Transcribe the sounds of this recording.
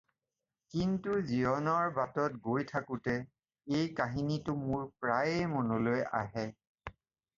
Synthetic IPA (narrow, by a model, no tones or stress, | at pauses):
kintuziɔnɔɹbatɔtɡojtʰakʊtɛ | ejkaɦinitʊmʊɹpɹajemɔnoloja̰ɦɛ